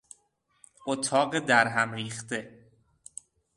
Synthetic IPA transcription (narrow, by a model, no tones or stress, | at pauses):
ʔot̪ʰɒːɢed̪æɾɦæmɾiːxt̪e̞